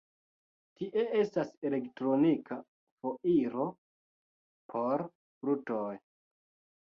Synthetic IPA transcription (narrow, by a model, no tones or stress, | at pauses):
tiʔe̞e̞stase̞le̞ktɾo̞nikʰa | fo̞ʔiɾo̞ | pʰo̞ɾ | fɾutoj